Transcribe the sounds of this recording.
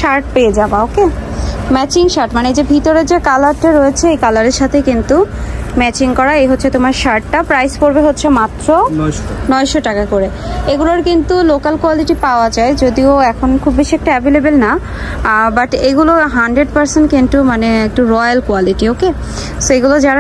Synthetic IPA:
ʃaɾʈpeed͡ʑabaokemɛt͡ɕiŋʃaɾʈmaneed͡ʑebʱit̪oɾed͡ʑekalaɾʈaɾoet͡ɕʰeejkalaɾeɾʃat̪ʰekint̪umɛt͡ɕiŋkɔɾaejɦotːɕʰet̪omaɾʃaɾʈːapɾajspoɾbeɦotːɕʰemat̪ːɾonɔeʃoʈakakoɾeeɡuloɾkint̪ulokalkwaliʈipaoad͡ʑaed͡ʑod̪ioɛkʰonkʰubbiʃiɛk̚ʈaɛbilebelna | baʈeɡuloɦaɳɖɾeɖ̚paɾsenʈkenʈumaneek̚ʈuɾɔjalkwaliʈioke | soeɡulod͡ʑaɾa

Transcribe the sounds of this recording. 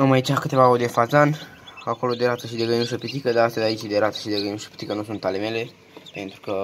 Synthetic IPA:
amait͡ʃakɨt̪e̞vaoɾd̪efazan | ako̞lod̪e̞ɾat̪əʃid̪eɡəjinuʃəpit̪ikəd̪aɾast̪əzʲait͡ʃid̪eɾat̪ə̥ʃid̪eɡəinuʃə̥pi̥t̪ikənusunt̪alemele̞ | pe̞nt̪ɾukə

